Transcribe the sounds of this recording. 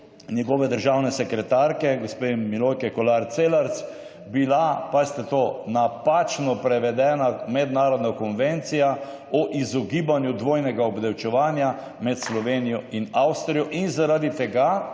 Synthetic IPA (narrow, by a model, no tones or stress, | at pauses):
njɛɡɔʋɛd̪əɾʒawnɛsɛkɾɛt̪aɾkɛɡospemilojkɛkɔlaɾt̪seːlaɾt̪s | bilapast̪ɛt̪oːnapat͡ʃnɔpɾɛʋɛd̪ɛːnamɛd̪naːɾɔd̪nakɔnʋɛnt̪sija | ɔʔizɔɡiːbanjud̪ʋoːjnɛɡaɔbd̪ɛwt͡ʃɛʋaːnja | mɛt̪slɔʋenijɔinawst̪ɾijɔʔinzaɾad̪it̪ɛɡa